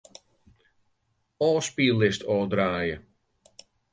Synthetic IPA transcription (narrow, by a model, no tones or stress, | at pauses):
ɔːspilˠɪstʰɔːdraːjə